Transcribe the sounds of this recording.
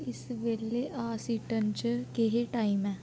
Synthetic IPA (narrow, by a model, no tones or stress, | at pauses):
ɪsʋeːleʔaːsiːʈənt͡ʃkeɦeʈaːɪmɛː